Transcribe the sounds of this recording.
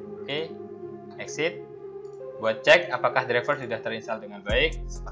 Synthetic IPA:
oke | ɛksɪt̪̚ | buat̪̚t͡ʃɛkapakahdɾɛfərsudaht̪əɾinsaldəŋanbaɪk̚səə

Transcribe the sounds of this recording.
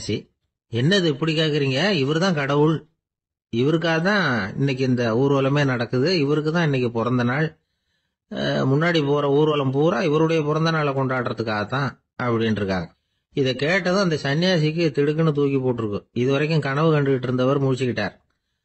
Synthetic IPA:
si | ɛnːɐðɯɛpːɐɽɪkːaːkɪɾiːŋɡɐɪʋɐɾɯt̪ãːkɐɽɐʋɯɭ | ɪʋɐɾɯk̬ːaːɣɐt̪ːãːɪ̰nːɛk̬ːɯɪnd̪ɐuːɾɯʋɐlɐmeːnɐɽɐkːɯðɯɪʋɐɾɯk̬ːɯt̪ãːɪnːɛk̬ːɯpɔɾɐnd̪ɐnaːɭ | mʊnːaːɽipoːɾɐuːɾɯʋɐlɐmpuːɾaɪʋɐɾɯɽɐjɐpɔɾɐnd̪ɐnaːɭɐkɔɳɖaːɽɯɾɐðɯkːaːɣɐt̪ːãː | ɐpːɐɽɪnɪɾɯkːa̰ːŋɡɐ | ɪðɛkeːʈːɐðɯ̃ɐnd̪ɐsɐnːɪjaːs̬ɪk̬ːɯt̪ɪɽɯk̬ːɯnɯt̪uːkip̬oːʈːɯɾɯkːɯ̃ɪðɯʋɐɾɐɪkːɯ̃mkɐɳɐʋɯkɐɳɖɯʋɪʈːɯɾɯnd̪ɐʋɐɾmʊɻɪt͡ʃːɯkɪʈːa̰ːɾ

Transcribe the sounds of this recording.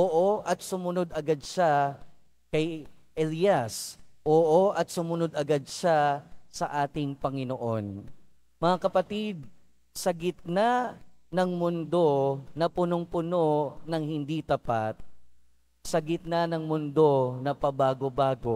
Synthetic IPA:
ʔoːʔoʔɐt̪̚sʊmʊnod̪ʔɐɡad̪̚ʃa | kɐjʔɛlijasʔoːʔoʔɐt̪̚sʊmʊno̞d̪ɐɡad̪̚ʃasɐʔaːt̪ɪŋpɐŋɪnoʔo̞n | mɐŋakɐpɐt̪id̪̚ | sɐɡɪt̪̚nanɐŋmʊnd̪o̞nɐpʊnoŋpʊno̞nɐŋhɪnd̪it̪ɐpat̪̚ | sɐɡɪt̪̚nanɐŋmʊnd̪o̞nɐpɐbaːɡobaːɡo̞

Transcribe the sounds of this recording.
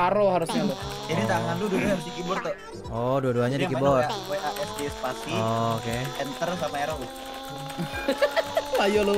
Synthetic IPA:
aɾoɦaɾʊsɲatʊ | d͡ʒadit̪aŋand̪ʊduahaɾʊs̬dikibʊrt̪o | ɔduaduaɲadikiabʊrapeʔaʔɛsdespasiɔkeɛnt̪ərs̬amaeɾoʊ | ajolo

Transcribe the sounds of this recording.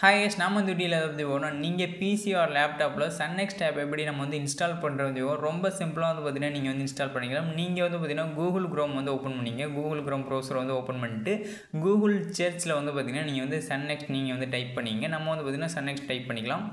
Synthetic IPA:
hɐːjesnaːmɐʋɐnd̪ɯʈiːlɐðaːpːɐðipoːnõːniːŋɡɐpiːsiaːɾlaːp̚ʈaːploːsɐnːɛksʈɛːpɛpːɐɽinɐmːɐʋɐnd̪ɯɪnsʈaːlpɐɳɾɐʋɐnd̪ɯʋɡõɾɔmbɐsɪmpɯlaːʋɐnd̪ɯpɐt̪ɪnaːniːŋɡɐʋɐnd̪ɯɪnsʈaːlpɐɳːɪkːɐɭaːmniːŋɡɐʋɐnd̪ɯpɐt̪ːɪnãːɡuːɣɐlɡɾoːmʋɐnd̪ɯoːpːɐnpɐɳːɪŋɡɐɡuːɡɐlɡɾoːmkɾoːsʋɐnd̪ɯoːpɐnmɛɳʈːɯ | ɡuːɡɐlt͡ʃɐɾt͡ʃɪlɐʋɐnd̪ɯp̬ɐt̪̬ːɪnaːniːŋɡɐʋɐnd̪ɯsɐnːɛksʈniːŋɡɐʋɐnd̪ɯʈɐɪpːɐɳːɪɪŋɡɐnɐmːɐʋɐnd̪ɯpɐt̪̬ːɪnãːsɐnːɛksʈ̚ʈɐɪpːɐɳːɪkːɐɭãːm

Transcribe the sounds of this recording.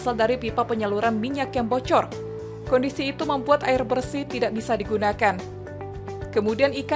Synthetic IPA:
saldaɾipipapəɲaluɾanmiɲakjaŋbɔt͡ʃɔr | kɔndisiːt̪uməmbuat̪aɪrbərsit̪idaʔ̚bisadiɡunakan | kəmudianik

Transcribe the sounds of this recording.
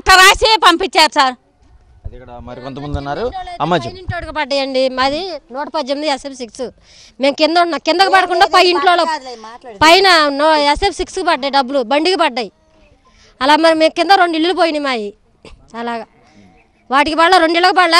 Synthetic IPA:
ʈːɐɾaːsepɐmpit͡ʃːaːɾusaːɾ | ɐd̪kːɐɽamɐɾikont̪ɐmɐnd̪unːaːɾuɐmːad͡ʒniɳʈloʈikipɐɖːɐjɐɳɖimɐd̪inoːʈɐpɐd͡ʒːemːid̪iɛsepsiksu | meːmkind̪uɳʈnːakind̪ɐkupɐɽɐkuɳɖaːpɐjiɳʈloːlo | pɐjnɐnoɛsepsikskupɐɖːɐːjiɖɐbːulubɐɳɖikipɐɖːɐji | ɐlaːɡmɐɾimemkind̪ɐɾoɳɖiɭːulup̬oːjinimaːji | ɐlaːɡa | ʋaːʈikipɐɽlɐɾoɳɖɛɭːɐkɐpɐɽlɐ

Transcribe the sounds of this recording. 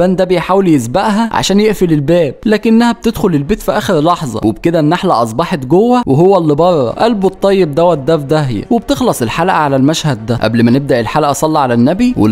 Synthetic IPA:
ænd̪æbejħaːweljesbæʔɦæʕa̰ʃæːnjeʔfilelbæːb̚læːkɪnnːæhæb̚t̪ed̪xolelbeːt̪fiʔæːxeɾlɑħzˤɑ̰webked̪ænːaħlæ̰ʔɑsˤbɑħet̪ɡowːæweɦowːælːibɑɾˤːɑ̰ʔælbot̪ˤːɑjːeb̚d̪æwæt̪̚d̪æfd̪æhjæ̰webt̪exlɑsˤelħalæʔæʕalælmæʃhæd̪ːæʔæ̰blmæneb̚d̪æʔelħalæʔæsˤɑlːɑʕalænːæbiwḛ

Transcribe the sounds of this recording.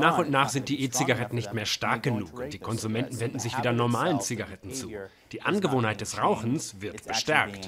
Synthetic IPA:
naːχʊntnaːχz̥ɪntd̥iːʔeːt͡siɡaʁɛtn̩nɪçtmeːɐʃtaɐk̚ɡ̥ənuːkd̥iːkʰɔnzumɛntn̩vɛndn̩zɪçv̥iːdɐnɔɐmaːlənt͡siɡaʁɛtn̩t͡suː | d̥iːʔanɡəvoːnhaɪt̚d̥ɛsʁaʊxn̩sv̥ɪɐtb̥əʃtɛɐkt

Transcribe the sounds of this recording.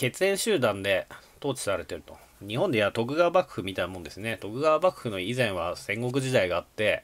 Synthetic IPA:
ke̞t͡sɨẽɰ̃ɕɨːd̪ãnd̪et̪o̞ːt͡ɕi̥saɾe̞t̪e̞ɾɯ̟t̪o̞ | ɲ̟iɦõnd̪ejat̪o̞k̬ɯ̟ɡaβabakɯ̟̥ɯ̟mʲit̪ainamõ̞nd̪e̞sɨne̞t̪o̞kɯ̟ɡaβabakɯ̟̥hɯ̟no̞izẽ̞ɰ̃βasẽ̞ŋɡo̞k̬ɯ̟ʑid̪aiɡaːt̪ːe̞

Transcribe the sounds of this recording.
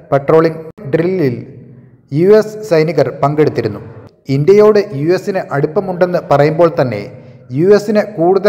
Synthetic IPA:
peʈro̞ːɭiŋɖrilːil | juessɐjniɣɐrpɐŋɡe̞ɽut̪ːiɾunːu | ind̪jɐjo̞ːɽejuesinɨʔɐɽupːɐmuɳɖe̞nːɨpɐrɐjumbo̞ːɭt̪ɐnːe̞̰ | juːesːinekuːɽuðɐ

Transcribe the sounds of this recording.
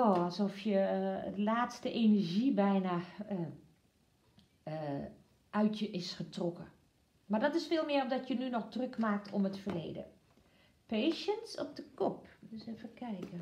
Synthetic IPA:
oːɔlˠsɔfjəlaːtstəʔeːnərʒibɛjna | ʔœɥtʰjəʔɪsxətrɔkə | mardɔtɪsfeːlˠmɪəromdɔtjənynɔxdrøkmaːk̚tʰɔmətfərlḛːdə̰ | peːʃənsɔp̚dəkɔpdøsɛfəkʰɛjkə

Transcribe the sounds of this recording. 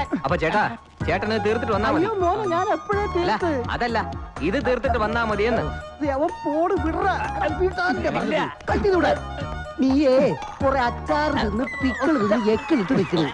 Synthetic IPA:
ɐpːoːt͡ɕeːʈːaː | t͡ɕeːʈːɐnɨt̪iːrt̪ːiʈːɨʋɐnːaːmɐjoːmoːnɐɲaːnepːɐɻet̪iːlɐt̪ːɨɐ̰ðɐlːɐiðɨt̪̬iːrt̪ːiʈːɨʋɐnːaːmɐðijenːɨd̪eɐʋɐpoːɽɨfiɽɐrɐɐpikaːnindepɐrɐɲːɐðɨkɐt̪ːiðuːɽe | mie | pureɐkːaːrðinːɨpikːɐɭðinːɨekːɐɭiʈ̪ːɨʋikʲːɐlɨ

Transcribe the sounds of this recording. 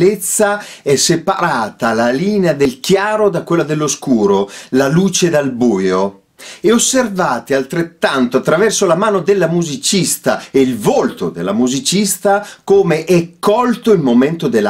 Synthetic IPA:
let̪sːaɛsepaɾaːt̪alaliːnead̪elkjaːɾod̪akwelːad̪elːoskuːɾolaluːt͡ʃed̪albuːjo | eosːervaːt̪ialt̪ɾet̪ːant̪oat̪ːɾavɛrsolamaːnod̪elːamuzit͡ʃist̪aeilvolt̪od̪elːa̰muzit͡ʃist̪akoːmeʔɛkːɔlt̪oilmoment̪od̪elːa

